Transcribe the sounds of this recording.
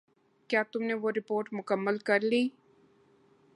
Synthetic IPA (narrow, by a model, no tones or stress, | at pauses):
kjaːt̪ʊmneʋoɾɪpoːɾʈmʊkəmːəlkɐɾliː